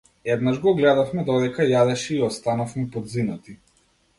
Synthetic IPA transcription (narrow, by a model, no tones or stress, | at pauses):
ɛd̪naʒɡɔɡlɛd̪afmɛd̪ɔd̪ɛkajad̪ɛʃɛiɔst̪anafmɛpɔd̪zinat̪i